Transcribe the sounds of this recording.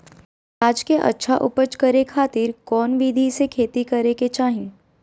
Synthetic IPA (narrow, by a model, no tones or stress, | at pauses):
aːd͡ʒkeʔɐ̰tːʃʰaʔʊpət͡ʃkɐɾekʰaːt̪ɪːɾkɔːnʋiːd̪ʱisekʰeːt̪ikɐɾeket͡ʃaːɦĩː